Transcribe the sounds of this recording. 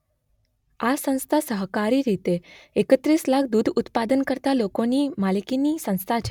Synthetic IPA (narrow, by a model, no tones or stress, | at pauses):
asə̃w̃st̪ʰasəɦkaɾiɾit̪eekət̪ɾislakʰd̪ud̪ʱut̪pad̪ənkəɾt̪alokonimalikinisə̃ñst̪ʰat͡ʃʰe